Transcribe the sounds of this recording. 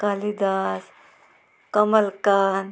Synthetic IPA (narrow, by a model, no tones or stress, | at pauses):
kalid̪aːs | kɐməlkaːn